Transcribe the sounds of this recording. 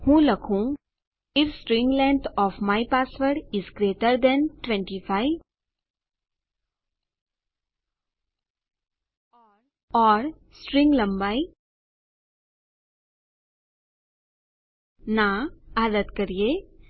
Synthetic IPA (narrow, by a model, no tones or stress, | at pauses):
hũːlɐkʰũ | ɪfsʈɾɪ̃ŋɡlɛ̃nt̪ʰɔːfmaɪpaːsʋəɾʈɪzɡɾeːʈəɾd̪ɛ̃nʈʋɛ̃ɳʈifʰaɪ | ɔɾ | ɔːɾ | sʈɾɪ̃ŋɡlɐ̃mbaːi | naaːd̪ət̪kɐɾije